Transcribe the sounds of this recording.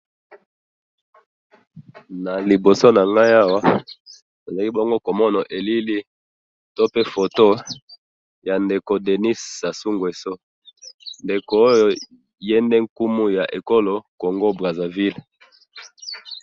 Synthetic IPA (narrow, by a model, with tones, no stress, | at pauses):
na˨li˨bo˨so˦na˨ŋɡa˦ja˦wa˦ | a˨za˨ki˦bo˦ŋɡo˦ko˨mɔ˦na˨ʔe˨li˦li˦ | to˦pe˦fo˨to˦ | ja˨nde˨ko˨de˨ni˦ssa˨su˦ŋɡwe˨so˦ | nde˨koː˨˦jjo˦ | jɛ˦ndɛ˦ŋ̩˦ku˦mu˦ja˨ʔe˨ko˦lo˨ko˨ŋɡo˦bʁa˨za˨vi˦l